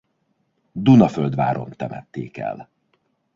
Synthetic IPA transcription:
d̪unɒføld̪ʋaːɾo̞nt̪ɛmɛt̪ːeːkɛ̰l

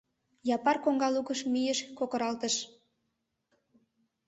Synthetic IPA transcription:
jɑpɑrkoŋɡɑlukəʃmijəʃkokə̆ɾɑlt̪əʃ

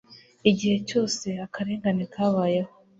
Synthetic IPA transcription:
iɟihe̞co̞ːse̞akʰaɾe̞ːŋɡanekʰaːβaːjeho

